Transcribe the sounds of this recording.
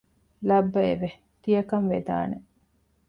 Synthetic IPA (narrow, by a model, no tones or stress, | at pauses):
lɐbːɐḛʋe | t̪ijɐkɐnʋed̪a̰ːne